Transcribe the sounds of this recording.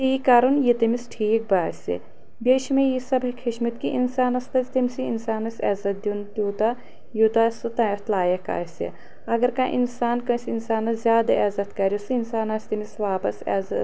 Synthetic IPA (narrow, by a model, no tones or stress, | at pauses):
t̪iːkːɐɾunjit̪ɐmisʈʰiːk̚baːsʲḭ | bʲeːʃmẽjisɐbɐkʰiʃmɐt̪kiʔinsaːnɐst̪ɐzʲt̪imʲsiinsaːnɐsʲɛːzɐt̪̚d̪ʲjunt̪juːt̪a | jut̪aːsɨt̪ãɐt̪laːjɐka̰ːsḭ | ɐɡɐɾkãʔḭnsaːnkɐsʲinsaːnɐzʲjaːd̪ɐʔɛːzɐt̪kɐɾʲjusɨinsaːnasʲt̪imisʋaːpɐsɛ̰ːzɐ